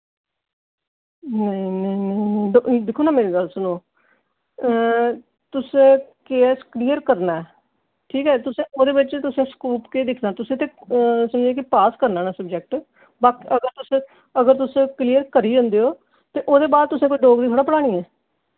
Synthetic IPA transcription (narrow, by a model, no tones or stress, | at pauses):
nəĩnəĩnəĩnəĩɖod̪ɪkʰoːnaːmeːɾiːɡəlsʊnõː | t̪ʊsẽːkeːskliːəɾkəɾnaːɛː | ʈʰiːkɛːt̪ʊsẽːoːd̪eːbɪt͡ʃt̪ʊsẽːskuːpkeːd̪ɪkʰnaːt̪ʊsẽːt̪eːsəmd͡ʒeːkɪpaːskəɾnaːnaːsəb̚d͡ʒɛk̚ʈ | baːkiʔəɡəɾt̪ʊsẽː | əɡəɾt̪ʊsẽːkliːəɾkəɾiːd͡ʒə̃ːnd̪eːoː | t̪eːʔoːd̪eːbaːd̪̚t̪ʊsẽːkoiɖoːɡd̪iːt̪ʰoːɽaːpəɽaːɽ̃iːɛː